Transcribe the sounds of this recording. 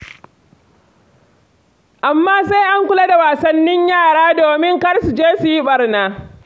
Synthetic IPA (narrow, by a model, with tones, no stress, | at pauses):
ʔa˨mːaː˦sa˦jʔa˦ŋkʷʊ˦la˦da˨waː˨sɐ˦nːɪ˦ɲjaː˦˨ɽaː˦doː˨mɪ˦ŋkɐ˦ɽsu˨d͡ʒeː˦su˨ji˦ɓɐ˨rnaː˦